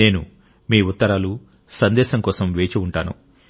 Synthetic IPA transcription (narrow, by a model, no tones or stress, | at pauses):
e̞ːnṵ | miːut̪ːɐɾaːlu | sɐnd̪ɛːʃɐŋkɔːsɐmʋeːt͡ʃiuɳʈaːnṵ